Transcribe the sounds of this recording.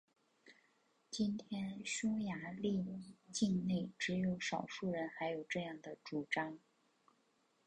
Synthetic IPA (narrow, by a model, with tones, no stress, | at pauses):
t͡ɕi˥nt̪ʰjɛ˥nɕʊ˥ŋja˧˥li˥˧t͡ɕi˥˧ŋne˥˩ɪʈ͡ʂɻ̩˧˥jo˧˥ʊʂɑ˨˩ʊʂu˥˩ɻə˧˥nxa˧˥ɪjo˨˩ʊʈ͡ʂɤ˥˧jɑ˥˩ŋd̪ə˩ʈ͡ʂu˨˩ʈ͡ʂɑ˥ŋ